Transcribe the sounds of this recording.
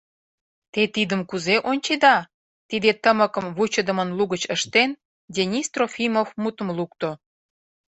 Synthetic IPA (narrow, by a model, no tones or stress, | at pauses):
t̪et̪id̪əmkuzeʔonʲt͡ɕed̪ɑ | t̪id̪et̪əməkəmβut͡ɕə̆d̪ə̆mənluɣət͡ɕəʃt̪en | dʲenʲist̪rofʲimofmut̪ə̆mlukt̪o